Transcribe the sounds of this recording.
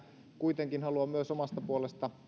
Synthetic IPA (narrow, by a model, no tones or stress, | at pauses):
kuit̪eŋkinhɑluɑmmyøsomɑst̪ɑpuolest̪ɑ